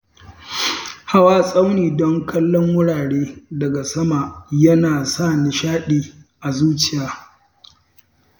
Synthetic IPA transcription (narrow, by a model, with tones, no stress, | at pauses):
ha˦waː˦sʼa˦wniː˨dɔ˦ŋkʰɐ˦lːɔ˦ŋwʊ˦ɽaː˨ɽeː˦dɐ˨ɡa˨sɐ˦ma˨jɐ˦naː˨sa˦˨nɪ˨ʃaː˦ɗiː˨ | ʔa˨zuː˦t͡ʃɪ˦˨jaː˨